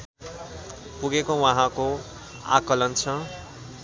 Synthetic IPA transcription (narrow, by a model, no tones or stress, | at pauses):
puɡekowãɦãko | a̰kʌlʌnt͡sʰʌ